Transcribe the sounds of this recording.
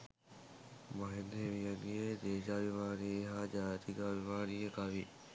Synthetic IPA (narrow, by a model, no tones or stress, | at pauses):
mɐɦend̪eʋijanijed̪eːʃaːʋimaːnieɦaːd͡ʒaːt̪iɡaːʋimaːniekaʋi